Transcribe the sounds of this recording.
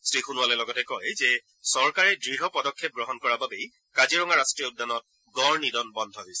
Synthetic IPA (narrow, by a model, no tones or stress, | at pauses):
sɹixunʊwalɛlɔɡɔtɛkɔjzɛ | sɔɹkaɹɛdɹiɦɔpɔdɔkʰːep̚ɡɹɔɦɔnkɔɹababɛj | kaziɹɔŋaɹastɹijɔʊdːanɔt̚ | ɡɔɹnidɔnbɔndʱɔɦɔjsɛ̥